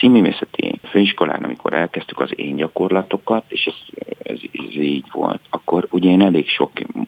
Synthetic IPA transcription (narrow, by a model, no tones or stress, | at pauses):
siːmyːvḛːsɛt̪ḭføːiʃko̞la̰ːnɒ̰mikʰo̞̰ɾʔɛlkɛst̪y̥kɒzḛːɲɟɒko̞rlɒt̪o̞kɒt̪eːʃɛzɛ̰zziːɟʋo̞̰lt̪ɒkːo̞ɾuɟɛeːnɛleːkʃo̞k